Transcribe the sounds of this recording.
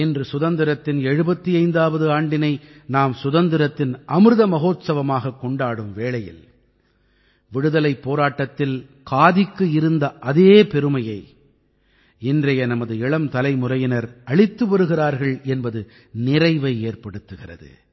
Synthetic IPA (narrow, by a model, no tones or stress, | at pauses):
ɪndrɯsʊðɐnd̪ɪɾɐt̪ːɪnɛɻɯbɐt̪ːiɐɪnd̪aːʋɐðɯaːɳɖɪnɐɪnaːmsʊðɐnd̪ɪɾɐt̪ːɪnʔɐmɯɾɯðɐmɐɣoːt̪sɐʋɐmaːɣɐkːɔɳɖaːɽɯmʋeːɭɐjɪ̰l | ʋɪɽɯðɐlɐɪpːoːɾaːʈːɐt̪ːɪl | kʰaːðɪkːɯɪɾɯnd̪ɐʔɐðeːpɛɾɯmɐjɐɪ | ɪndrɐjɐnɐmɐðɯɛɭɐmt̪ɐlɐɪmʊrɐjɪnɐɾɐɭɪt̪ːɯʋɐɾɯɣɪraːɾɣɐɭɛnbɐðɯ | nɪrɐɪʋɐɪeːrpɐɽɯt̪ːɯɣɪrɐ̰ðɯ̰